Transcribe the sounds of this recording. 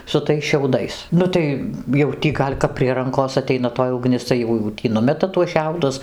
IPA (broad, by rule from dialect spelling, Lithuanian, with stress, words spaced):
sʊ ˈtɐɪs ʃʲɛʊˈdɐɪs ˈnʊ tɐɪ jɛʊ ˈtʲiː ˈɡɐlʲ kɐp pʲrʲiɛ ˈrɐŋkoːs ɐˈtʲɛɪnɐ toːj ʊˈɡnʲɪs tɐɪ ˈjɛʊ jɛʊ ˈtʲiː ˈnʊmʲɛtɐ tuɔs ˈʃʲɛʊdʊs